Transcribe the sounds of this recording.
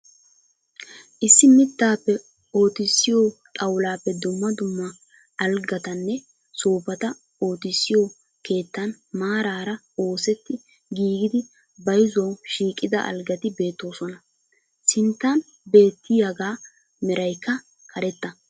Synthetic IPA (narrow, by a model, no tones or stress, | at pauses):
ʔɪsːɪmɪt̪ːaːpːɛ | o̞ːt̪ɪsːɪjoːt̪ʼɐwlaːpːɛd̪ʊmːɐd̪ʊmːɐ | ɐlɡɐt̪ɐnːɛ | soːpɐt̪ɐ | o̞ːt̪ɪsːɪjo | ke̞ːt̪ːɐn | maːɾaːɾɐ | o̞ːsɛt̪ːɪ | ɡiːɡɪd̪ɪ | bɐjɪzɐwʃiːkʼːɪd̪ɐ̰ʔɐ̰lɡɐt̪ɪbe̞ːt̪ːo̞ːsɔnɐ | sɪnt̪ːɐn | be̞ːt̪ːɪjaɡaː | mɛɾɐjkːɐ | kɐɾɛt̪ːɐ